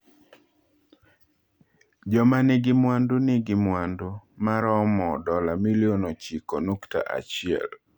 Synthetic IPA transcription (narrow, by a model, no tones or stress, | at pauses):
d͡ʒɔmanɪɡɪmwandonɪɡɪmwandomaɾɔmɔdɔlamilionɔt͡ʃikonukta̰ʔa̰t͡ʃɪɛ̰l